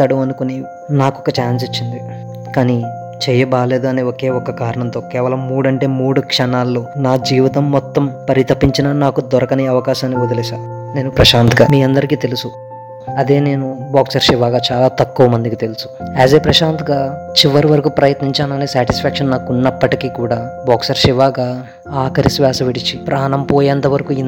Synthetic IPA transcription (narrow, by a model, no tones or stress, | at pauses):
t̪ɐɽuɐnukuni | naːkɔkːɐt͡ʃaːns̬it͡ʃːind̪i | kaːni | t͡ʃɛːjɐbaːle̞ːd̪uɐne̞ːoke̞ːɔkːɐkaːɾɐɳɐnt̪oːkɛːʋɐlɐmːuːɽɐɳʈe̞ːmuːɽukʂɐnaːlːoːnaːd͡ʒiːʋit̪ɐmːɔt̪ːɐmpɐɾit̪ɐpːiɲt͡ʃinɐnaːkud̪ɔɾɐkɐneɐʋɐkaːʃaːnːiod̪ɐlɛːʃaː | ne̞ːnupɾɐʃaːnt̪ɡa̰ːmiːɐnd̪ɐɾikiːt̪elusu | ɐd̪e̞ːne̞ːnubaːksɐɾʂiʋaːɡaːt͡ʃaːlaːt̪ɐkːuːʋɐmɐnd̪ikit̪e̞lusu̥aːseːpɾɐʃaːnt̪ɡaːt͡ʃiʋɐɾiʋɐɾɐkupɾɐjɐt̪niɲt͡ʃaːnɐneːsaːʈispʰaːkʂɐnnaːkunːɐpːɐʈikiːkuːɽaːbaːksɐɾʂiʋaːɡaː | aːkɐɾisʋjaːsɐʋiɽit͡ʃːipɾʔaːnɐmpoːjeɐnt̪ɐʋɐɾɐkuin